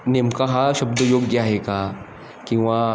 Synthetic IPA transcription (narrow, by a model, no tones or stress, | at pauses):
nemkaɦaʃɐbd̪əjoɡjaɦeka | kĩw̃ʋa